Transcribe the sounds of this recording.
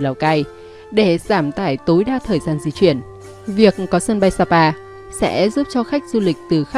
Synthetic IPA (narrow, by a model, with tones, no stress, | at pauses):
la˨˩wka˧j | ɗe˧˩z̥aː˧˩mt̪aː˧˩jt̪o˨˦jɗaː˧t̪ʰəː˨˩jzaː˧nzḭ˨˧˦t͡ɕwi˧˩ən | vi˨˩ək̚kɔ˨˦sə˧nɓa˧jsaː˧paː˧ | sɛ̰˧˥zu˦˥p̚t͡ɕɔ˧xa˦˥jk̟̚zu˧lï˨˩k̟̚t̪ɨ˨˩xa˦